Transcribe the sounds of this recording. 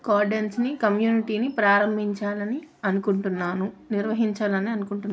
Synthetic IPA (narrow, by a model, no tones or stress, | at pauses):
kaːɾɖensnikɐmjuːniʈiːnipɾaːɾɐmbʱiɲt͡ʃaːlɐniɐnukuɳʈunːaːnuniɾʋɐɦiɲt͡ʃaːlɐniɐnukuɳʈunː